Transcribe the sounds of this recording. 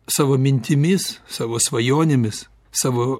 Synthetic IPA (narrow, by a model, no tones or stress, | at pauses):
sɑːʋoːmʲɪnʲt̪ʲɪmʲɪssɑːʋoːsʋɐjoːnʲɪmʲɪs | sɑːʋoː